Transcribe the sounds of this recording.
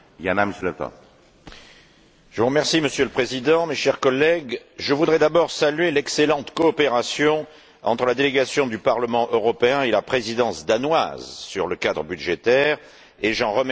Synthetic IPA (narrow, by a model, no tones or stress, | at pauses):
janaməsəlɛp̚t̪ɔ̰̃ | ʒ̥əvuʁəmɛʁsiməsjøləpχezid̪ɑ̃meʃɛʁkɔlːɛɡʒəvud̪ʁɛd̪abɔʁsalyɥelɛkselɑ̃t̪kɔːpeʁasjɔ̃ | ɑ̰̃t̪χəlad̪eleɡasjɔ̃d̪ypaʁləmɑ̃ʔøʁɔpeɛ̃elapχezid̪ɑ̃sd̪anwa̰zsyʁləkad̪ʁəbyd̪ʒet̪ɛʁ | eʒɑ̃ʁəm